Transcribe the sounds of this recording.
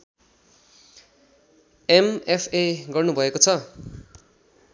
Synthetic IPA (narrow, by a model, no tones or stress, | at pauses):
emepʰeɡʌrnubʱʌekot͡sʰʌ